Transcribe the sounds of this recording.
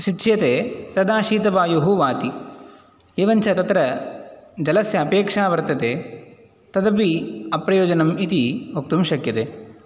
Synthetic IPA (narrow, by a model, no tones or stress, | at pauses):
ʃitːʃʰjɐt̪eːt̪ɐd̪aːʃiːt̪ɐbaːjuɦuʋaːt̪i | eːʋɐnt͡ʃɐt̪ɐt̪ɾɐ | d͡ʒɐlɐsjɐːpeːkʂaːʋɐɾt̪ɐt̪eː | t̪ɐd̪ɐpiɐpɾɐjoːd͡ʒɐnɐmit̪iok̚t̪umʃɐkjɐt̪eː